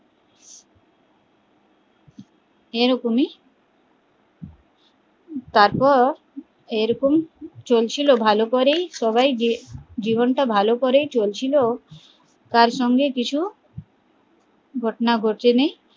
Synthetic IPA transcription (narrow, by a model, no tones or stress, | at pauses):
eɾɔkomi | t̪aɾpɔɾ | eɾɔkomt͡ɕolt͡ɕʰilobʱalokoɾejʃɔβajd͡ʑibonʈabʱalokoɾejt͡ɕolt͡ɕʰilo | kaɾʃɔŋɡekit͡ɕʰu | ɡʱɔʈonaɡʱoʈt͡ɕʰenej